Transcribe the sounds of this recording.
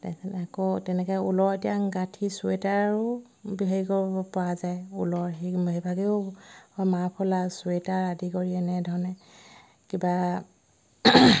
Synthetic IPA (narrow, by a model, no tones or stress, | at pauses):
tasɛnakɔtɛnɛkɛṵlɔɹetijaɡatʰisuetaɹaɹʊ | biɦaikɔɹbɔpɔazajṵlɔɹɦiɦibʱaɡiʊ | mapʰɔlasuetaɹadikɔɹiɛnɛdʱɔɹnɛ | kiba